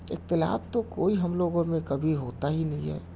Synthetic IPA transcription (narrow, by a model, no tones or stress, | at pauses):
ɪ̰k̚t̪ɪla̰ːbt̪okoːiɦɐmloːɡõmẽkɐbʱiɦoːt̪aɦinɐɦĩɦɛ̰ː